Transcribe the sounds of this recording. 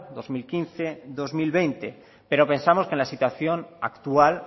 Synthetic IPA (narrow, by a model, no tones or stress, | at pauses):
d̪o̞zmilkinθe̞ðo̞zmilβe̞jnt̪e̞ | pe̞ɾo̞pe̞nsamo̞skenlasit̪waθjo̞na̰kt̪ual